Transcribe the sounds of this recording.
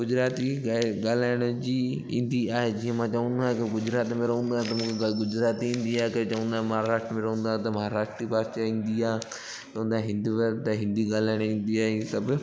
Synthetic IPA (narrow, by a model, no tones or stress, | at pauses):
ɡʊd͡ʑɾaːt̪iaɡaːl̤aːɪɽ̃ʊd͡ʑiː | ĩːnd̪iaːɦed͡ʑiːə̃mãːt͡ɕɐʋə̃nd̪aːɦẽkeɡʊd͡ʑɾaːt̪mẽɾɐɦũːnd̪aɦẽt̪ɐmũːkʰeɡʊd͡ʑɾaːt̪iĩːn̆d̪iaːɦekɐet͡ɕɐʋə̃nd̪aːɦmɐɦaɾaːʃʈɾəmẽɾɐɦũːnd̪aːẽt̪ɐmɐɦaɾaːʂʈɾipaːʃaĩːn̆d̪iaːɦ | t͡ʃɐʋə̃nd̪aɦẽɦɪ̃nd̪iʋɐɾt̪ɐɦɪ̃nd̪iɡaːlaːɪɽ̃ĩːnd̪iaːɦesɐbɪ